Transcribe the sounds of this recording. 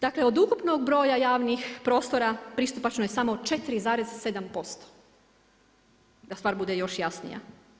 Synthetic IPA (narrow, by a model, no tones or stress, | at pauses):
d̪akle̞o̞d̪ukupnoɡ̚bɾo̞ːjajaːʋnixpɾo̞ːst̪o̞ɾapɾist̪upat͡ʃnojesamo̞t͡ʃe̞t̪iɾizaːɾezse̞d̪ampo̞st̪o̥ | d̪ast̪aːɾbud̪ejo̞ʃjasnḭja̰